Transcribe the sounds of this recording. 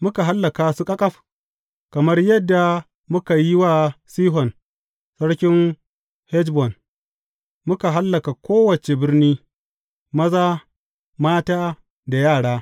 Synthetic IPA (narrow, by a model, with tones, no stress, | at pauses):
mʊ˦ka˨ɦa˦lːɐ˨kaː˨su˦kʼɐ˦kʼɐ˦ɸ | kɐ˨mɐ˦rjɐ˦dːa˨ | mʊ˦ka˨ji˦waː˦siː˦ɦɔ˨n | sɐ˦ɽkʲɪ˦n | hɛ˦d͡ʒbɔ˨n | mʊ˦ka˨ɦa˦lːɐ˨ka˨kʷʰoː˦wɐ˨t͡ʃe˨bɪ˦rniː˦ | mɐ˦zaː˦ | maː˦taː˦ | da˨jaː˦˨ɽaː˦